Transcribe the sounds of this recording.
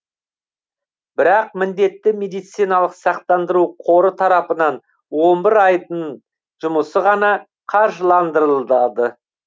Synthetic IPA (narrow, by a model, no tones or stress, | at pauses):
bɪɾɑq̚mɪnd̪e̞t̪ːɪme̞d̪ijt̪sijnɑlˠəqsɑq̚t̪ɑnd̪əɾuqʰo̞ɾət̪ʰɑɾɑpənɑn | wo̞nbɪɾɑjd̪əɴ | ʒʊməsəʁɑnɑ | qʰɑɾʒəlˠɑnd̪əɾəlˠd̪ɑd̪ə